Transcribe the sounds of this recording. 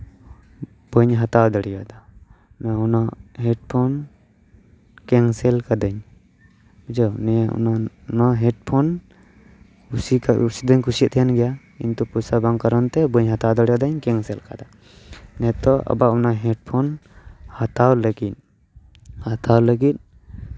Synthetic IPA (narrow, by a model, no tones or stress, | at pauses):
b̥əɲɦat̪awd̪ɔɽijad̪a | nɛɔnaɦɛɖ̚pʰɔn | kɛŋsɛlkad̪əɲ | bəd͡ʒɔwnɛṵna | naɦɛɖpʰɔn | kusikaṵsid̪ɔɲkusit̪t̪ʰɛjanɡɛja | ḭnt̪ɔpusabaŋkaɾɔnt̪ɛbəɲɦat̪awd̪əɽijad̪aɲkɛŋsɛlkad̪a | nɛt̪ɔʔɔ̰baʔunaɦɛɖ̚pʰɔnhat̪awləɡit̪̚ˀ | hat̪awləɡit̪̚